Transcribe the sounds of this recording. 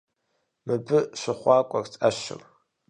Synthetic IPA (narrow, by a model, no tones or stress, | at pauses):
mɨbɨʃʷaχʷakʷʼart͡sʼaʃɪ̰rʼ